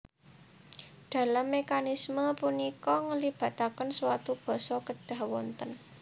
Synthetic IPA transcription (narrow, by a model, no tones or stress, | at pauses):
ɖ̥a̤lamːekanisməpunikɔŋəlib̥a̤t̪akənswat̪ub̥ɔ̤sɔkəɖ̥ä̤hwɔnt̪ən